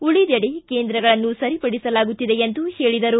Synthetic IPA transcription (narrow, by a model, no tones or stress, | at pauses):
uɭid̪ɐɽike̞ːnd̪ɾɐɡɐɭɐnːusɐɾipɐɽisɐlaːɡut̪ːid̪e̞end̪uhe̞ːɭid̪ɐɾu